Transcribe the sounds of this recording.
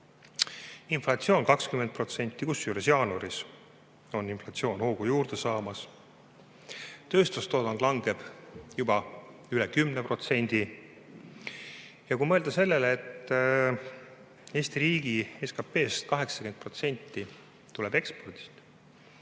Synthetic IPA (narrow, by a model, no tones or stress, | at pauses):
inflɑt̪sio̞ːnkɑkskyme̞nt̪̚pro̞t̪se̞nʲt̪ːˑikusːyːɾesjɑːnuɾis | o̞nːinflɑt̪sio̞ːnho̞ːɡ̥ujuːrd̪̥esɑːmɑs | t̪ø̞ːst̪ust̪oːd̪ɑnd̪lɑŋɡe̞b̥jubɑylekymnepro̞t̪se̞nʲd̪̥i | jɑkuimɤeld̪ɑse̞lːe̞leet̪ːˑ | e̞ːsʲt̪iɾiːɡieskɑpːe̞ːst̪̚kɑɦe̞ksɑke̞n̚pro̞t̪se̞nʲt̪ːˑi | t̪ːuleb̥e̞kspo̞rd̪̥i̥st̪